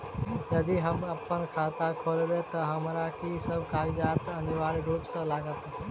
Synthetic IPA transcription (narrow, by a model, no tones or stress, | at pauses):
jəd̪iɦəməpːənkʰat̪akʰolɾet̪ɔɦəmɾakisəbkaːɾid͡ʒaːt̪əniʋaːɾɾuːpsə̃laːɡət̪